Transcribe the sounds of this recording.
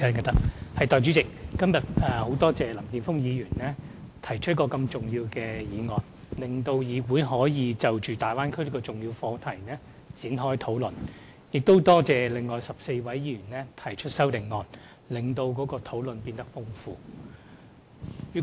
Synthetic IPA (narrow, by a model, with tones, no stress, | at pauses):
kɐ˥˧ɐ˨t̪ɐ˥k̚hɐ˨jt̪ɔː˨jt͡ʃyː˨˥t͡sɪ˨k̚ːɐ˥mjɐ˨t̚ɛː˨ho˨˥wt̪ɔː˥t͡sɛː˨lɐ˨˩mkiː˨nfʊ˥ŋjiː˨˧jyː˨˩nlɛː˥ | t̪ʰɐ˨˩jt͡ʃʰt̚kɔː˧kɐ˧mt͡sʊ˨ŋjiː˧wkɛː˧jiː˨˧ŋɔː˨˩n | lɪ˨ŋt̪o˧wjiː˨˧wuː˨˥jɦɔː˨˥jiː˨˧t͡sɐ˨wt͡ʃyː˨t̪aː˨jwaː˥nkʰɵ˥li˥kɔ˧t͡sʊ˨ŋjiː˧wfɔː˨˧t̪ʰɐ˨˩jnɛː˥ | t͡siː˨˥nɦɔː˥jt̪ʰo˨˥wlɵ˨n | jɪ˨k̚t̪o˥wt̪ɔː˥t͡sɛː˨˩lɪ˨ŋːɔː˨jsɐ˨p̚se˧jwɐ˨˥jjiː˧˥jy˨˩nɛː˥t̪ʰɐ˨˩jt͡ʃʰɵ˥t̚sɐ˥wt̪ɪ˨˩ŋŋɔː˨n | lɪ˨˩ŋt̪o˧wkɔː˨˥kɔː˧t̪ʰo˨˥wlɵ˨npiː˧nt̪ɐ˥k̚fʊ˥ŋfuː˧ | yː˨˩